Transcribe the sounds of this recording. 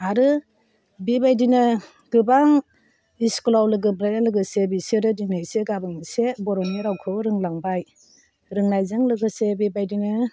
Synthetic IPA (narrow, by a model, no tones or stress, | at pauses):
aɾɯ | bibajdinɯ | ɡ̥ɯbaŋ | isklawlɯɡɯbɾajdalɯɡɯsebiseɾɯdinaseɡabɯŋisebɔɾɔniɾawkʰɯɾɯŋlaŋbaj | ɾɯŋnajzɯŋlɯɡɯsebibajdinɯ